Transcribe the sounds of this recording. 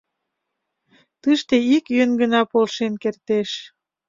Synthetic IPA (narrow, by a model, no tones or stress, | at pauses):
t̪ɨʃt̪eikjønɡənɑpolʃenkert̪eʃ